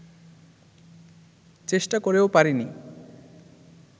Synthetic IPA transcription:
t͡ɕeʃʈakoɾeopaɾini

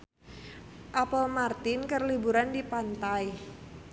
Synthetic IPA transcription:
ʔapɔlmart̪ɪnkərlibuɾandipant̪aj

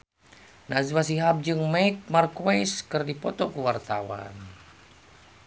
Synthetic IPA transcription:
nazwasiɦab̚d͡ʒɨŋmaik̚markoiskɨrdipɔt̪ɔkuwart̪awa̰n

